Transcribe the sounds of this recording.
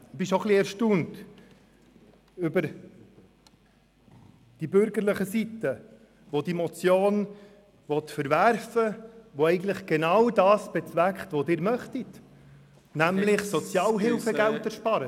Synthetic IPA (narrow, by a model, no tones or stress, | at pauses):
bɪʃoχliɛɾʃtuːnt | ʏbəɾ | d̥ibʏɾɡəɾləχəsit̪ə | ʋod̪imɔt͡sjoːn | ʋɔt̪fəɾvæɾfəʋoɛɪɡn̩t̪ləχɡ̥enɑwdɑːsb̥ɛt͡svækχt̪ʋodɪːɾmœχtit | næmlɪχsɔt͡sjɑːlɦɪlfəɡæltɛɾʃpɑɾə